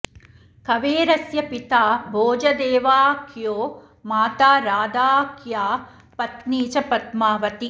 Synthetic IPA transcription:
kɐʋeːɾɐsjɐpit̪aːbʱoːd͡ʒɐd̪eːʋaːkjoː | maːt̪aːɾaːd̪aːkjaː | pɐt̪niːt͡ʃɐpɐt̪maːʋɐt̪i

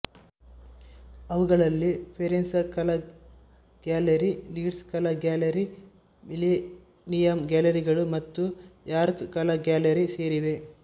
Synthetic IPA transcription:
ɐʋuɡɐɭɐlːipʰeɾensɐkɐlɐ | ɡ̥aːlɐɾiliːɖskɐlɐɡaːlɐɾi | mili | nijɐmɡʲaːlɐɾiɡɐɭumɐt̪ːujaːɾkkɐlɐɡʲaːlɐɾiseːɾiʋe̞

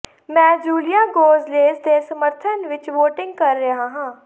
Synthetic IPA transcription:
mɛ̃ːd͡ʒuːlɪjaːɡoːzleːzd̪eːsəməɾt̪ʰənʋɪt͡ʃʋoːʈɪ̃ŋɡ̚kəɾːəɦaːɦãː

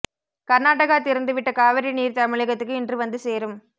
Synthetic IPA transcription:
kɐɾnaːʈɐɣaːt̪ɪɾɯnd̪ɯʋɪʈːɐkaːʋɐɾiniːɾt̪ɐmɪɭɪɣɐt̪ːɯkːɯɪndrɯʋɐnd̪ɯseːɾɯm

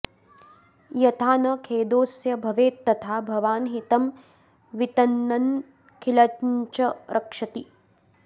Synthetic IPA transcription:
jɐt̪ʰaːnɐkʰeːd̪oːsjɐbʱɐʋeːt̪ːɐt̪ʰaːbʱɐʋaːnɦit̪ɐm | ʋit̪ɐnːɐn | kʰilɐɲt͡ʃɐɾʔɐkʂɐt̪i

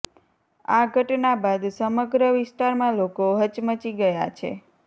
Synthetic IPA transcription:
aɡʱəʈnabad̪səməɡɾəʋɪsʈaɾmãlokoɦət͡ʃmət͡ʃiɡəja̰t͡ʃʰḛ

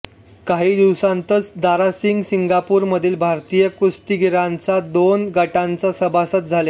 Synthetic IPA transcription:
kaɦiːd̪iʋsãnt̪ət͡sd̪aɾasiŋɡsiŋɡapuːɾməd̪ʱiːlbʱaɾt̪ijəkust̪iɡiɾãnt͡sad̪onɡəʈãnt͡sasəbasət̪̚d͡zʱale

